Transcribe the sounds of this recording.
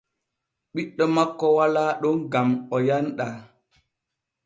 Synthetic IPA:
ɓiɗːɔmakːɔwalaːɗɔnɡamɔjanɗa

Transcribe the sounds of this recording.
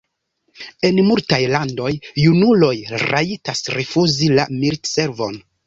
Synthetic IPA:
e̞nmultajlando̞junulo̞jɾaitasɾifuzilamiɾtse̞ɾvo̞̰n

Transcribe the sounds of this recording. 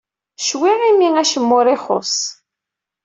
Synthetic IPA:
ʃwiʁimiŋæʃəmːʊɾˤɪχʊ̰s

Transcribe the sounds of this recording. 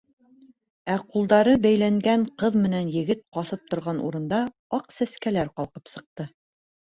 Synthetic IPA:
æqulˠd̪ɑɾɤbæjlæŋɡæɴqɤðmɘ̆nænjɘ̆ɡɘt̪̚qɑsɤp̚t̪ŏɾʁɑnʔṵɾɤ̆nd̪ɑ | ɑqsæskælæɾqɑlˠqɤpsɤ̆q̚t̪ɤ

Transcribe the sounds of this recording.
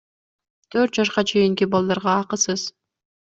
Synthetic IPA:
t̪ʰøɾt̪̚d͡ʒɑʃqɑt͡ʃʰe̞jiŋkibɑlˠd̪ɑɾʁɑːqɯsɯz̥

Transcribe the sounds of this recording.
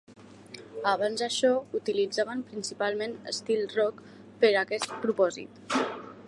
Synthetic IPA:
aβanzaʃɔut̪ilid͡zaβəmpɾinsipalˠmenə̰st̪ilˠrɔk | pəɾakɛst̪̚pɾupɔzḭt̪

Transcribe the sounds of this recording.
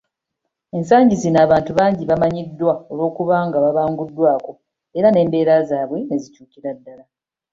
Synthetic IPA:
e̞nsaːɲɟizinaːβaːntuβaːɲɟiβamaɲidːwao̞lwo̞ːkuβaːŋɡaβaβaːŋɡudːwaːko̞ | e̞ɾane̞ːmbe̞ːɾazaːβwe̞ne̞zicuːciɾadːala

